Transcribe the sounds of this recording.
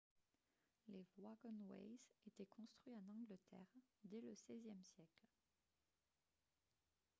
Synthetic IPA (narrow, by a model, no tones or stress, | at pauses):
levwaɡɔnwɛ̰jzet̪ɛkɔ̃st̪χɥiɑ̃nɑ̃ɡlət̪ʰɛ̰ːʁd̪ɛləsɛzjɛmsjɛkl